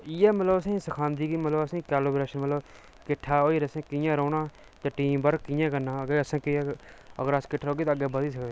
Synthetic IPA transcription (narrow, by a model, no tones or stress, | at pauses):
ijɛːmət̪ləbəsẽːsəkʰaːnd̪iːkimət̪ləbəsẽːkaːloːbɾeːʃənmət̪ləb | kɪʈʰːaːoːiːɾəsẽːkɪjãːɾoːnaː | t̪ãːʈiːmbəɾkɪjãːkənãːəɡeːəsãːkɪə̰ɡəɾəskɪʈʰːaːoːɡiːt̪ːəɡeːbəd̪iːs̬əkd̪e